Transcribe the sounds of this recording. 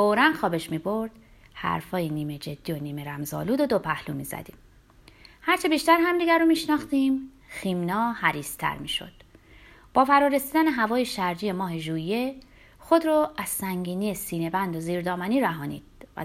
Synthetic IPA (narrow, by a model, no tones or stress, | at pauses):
foɾænxɒːbeʃmiːbo̞ɾd̪̥ | hæ̰ɾfɒːjeniːmed͡ʒe̞d̪̥ːiːoniːmeɾæmzɒ̰ːluːd̪od̪opʰæhlṵmḭːzæ̰d̪̥ḭːm | hæɾt͡ʃʰebiːʃt̪æɾhæmd̪iɡæɾomiːʃnɒːxt̪iːm | ximnɒːhæɾiːst̪ʰæ̰ɾmiːʃo̞̰d̪̥ | b̥ɒːfæɾɒːɾesiːd̪æneɦævɒːjeʃæɾd͡ʒije̞mɒːɦe̞ʒuːje | xo̞d̪ɾoʔæz̥sæŋɟiːniːesiːne̞bænd̪oziːɾd̪ɒːmæniːɾæɦɒːnḭːd̪̥̚væ̰